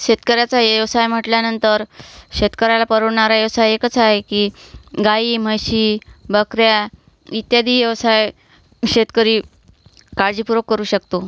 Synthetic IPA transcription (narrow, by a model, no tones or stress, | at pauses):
ɕet̪kəɾjat͡sajəʋsajm̤əʈljanənt̪əɾɕet̪kəɾalapəɾəɽɳaɾajəʋsajekət͡saɦekiːɡaiːm̤əɕiːbəkɾja | it̪jad̪iːjəʋsaj | ɕet̪kəɾiː | kaɾd͡ʑipuɾəkːəɾuːɕəkt̪o